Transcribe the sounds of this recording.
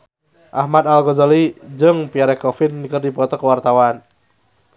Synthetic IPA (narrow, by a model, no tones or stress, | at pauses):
ʔahmad̪alɡɔzalid͡ʒɨŋpiaɾɛkɔfinːikərdipɔt̪ɔkəwart̪awan